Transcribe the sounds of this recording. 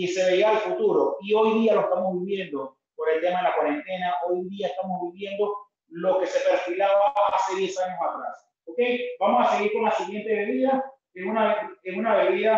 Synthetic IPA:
ise̞βeiaːlfut̪uɾo̞io̞jðialoest̪amo̞zβiβje̞nd̪o̞ | poɾe̞lt̪emaðelakwaɾe̞nt̪e̞nao̞jðiaest̪amo̞zβiβje̞nd̪o̞ | lo̞ke̞se̞pe̞ɾfilaβaase̞ðje̞saɲo̞sat̪ɾa̰s | oke̞jbamo̞sase̞ɣiɾko̞nlasiɣje̞nt̪e̞βe̞βiða | eŋunaeŋunaβe̞βiða

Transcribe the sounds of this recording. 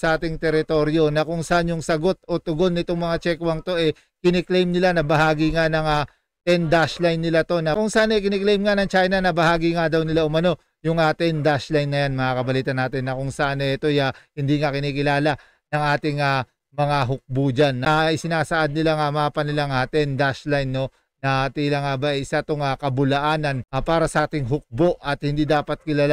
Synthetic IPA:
sɐʔaːt̪ɪŋt̪ɛɾɪt̪o̞ɾjo̞nɐkʊŋsɐʔanjʊŋsɐɡo̞t̪̚o̞t̪ʊɡo̞nːɪt̪oŋmɐŋat͡ʃɛkwɐŋt̪o̞ʔɛ | kɪnɛklɛjmnɪlanɐbɐɦaːɡɪŋanɐŋa | t̪ɛnd̪aʃlajnːɪlat̪o̞nɐkʊŋsɐʔanɐjkɪnɛklɛjmŋanɐŋt͡ʃajnɐnɐbɐhaːɡiŋad̪ɐwnɪlaʔʊmɐno̞ | jʊŋat̪ɛnd̪aʃlajnːɐjanmɐŋakɐbɐliːt̪ɐnːaːt̪ɪnːɐkʊŋsɐʔanɛt̪o̞jahɪnd̪iːŋakɪniːkɪlaːlɐ | nɐŋʔaːt̪ɪŋa | mɐŋaɦʊk̚buːd͡ʒanːɐɪsɪnaːsɐʔad̪̚nɪlaŋamɐaːpɐnɪlaŋat̪ɛnd̪aʃlajnːo̞ | nɐt̪iːlaŋabaʔɐjʔɪsat̪oŋakɐbʊlɐʔaːnɐnapaːɾɐsɐʔaːt̪ɪŋɦʊk̚bo̞ʔɐt̪̚hɪnd̪iːd̪aːpɐt̪̚kɪlaːla

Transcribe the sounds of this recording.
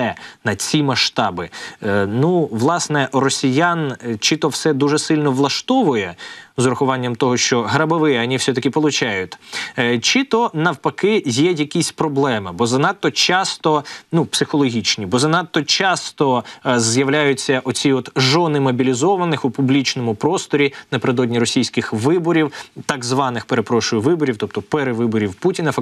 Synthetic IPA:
ɛnɐt͡sʲimɐʃt̪ɑbɪnuʋlˠɑsnɛrɔsʲijant͡ʃit̪ɔwsɛd̪uʒɛsɪlʲnɔʋlˠɐʃt̪ɔʋʊjɛzɾɐxʊʋɑnʲːɐmt̪ɔɦɔʃt͡ʃɔɦɾɐbɐʋɪɐnʲiwsʲɛt̪ɐkʲɪpɔlˠʊt͡ʃɑjʊt̪ʲt͡ʃit̪ɔnɐwpɐkɪjɛjɐkʲisʲpɾɔblˠɛmɪbɔzɐnɑt̪ːɔt͡ʃɑst̪ɔnupsɪxɔlˠɔɦʲit͡ʃnʲibɔzɐnɑt̪ːɔt͡ʃɑst̪ɔzjɐʋlʲajʊt͡sʲːɐʔɔt͡sʲiɔt̪ʒɔnɪmɔbʲilʲizɔʋɐnɪxʊpublʲit͡ʃnɔmʊpɾɔst̪ɔɾʲinɐpeɾɪd̪ɔdʲnʲiɾɔsʲijsʲkɪxʋɪbɔɾʲiwt̪ɐɡzʋɑnɪxpeɾepɾɔʃʊjʊʋɪbɔɾʲiwt̪ɔp̚t̪ɔpeɾeʋɪbɔɾʲiwputʲinɐfɐ

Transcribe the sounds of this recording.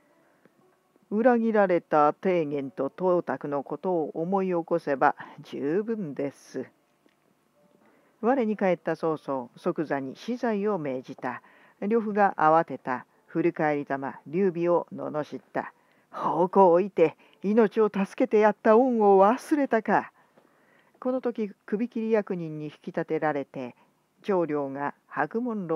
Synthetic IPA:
ɯ̟ɾaɡʲiɾaɾe̞t̪at̪e̞ːɡẽ̞nt̪o̞t̪o̞ːt̪akɯ̟no̞ko̞t̪o̞ːʔomo̞io̞ko̞se̞bad͡ʑɨːbɯ̟̃nd̪e̞sɨ | βaɾeɲ̟ikae̞t̪ːaso̞ːsoːso̞kɯ̟zaɲ̟iɕizaio̞me̞ːʑit̪a | ɾʲjo̞ɸɯ̟ɡaʔaβat̪e̞t̪a | ɸɯ̟ɾʲikaeɾʲit̪ama̰ɾʲɨːbʲio̞no̞̰no̞ɕit̪ːa̰ | hoːko̞ːit̪e̞ | ino̞t͡ɕio̞t̪asɨ̥ke̞t̪e̞jat̪ːaõɰ̃o̞βasɨɾe̞t̪aka | ko̞no̞t̪o̞kʲikɯ̟bʲikʲiɾʲijakɯ̟ɲ̟ĩɲ̟ːiçi̥kʲi̥t̪at̪e̞ɾaɾe̞t̪e̞ | t͡ɕo̞ːɾʲo̞ːŋahakɯ̟mõ̞nɾo

